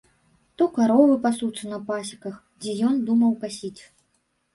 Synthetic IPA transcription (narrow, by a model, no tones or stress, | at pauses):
t̪ɔkaɾɔvɨpasut̪sɐnɐpasʲikɐx | d͡zʲɛjɔnd̪umɐwkasʲit͡sʲ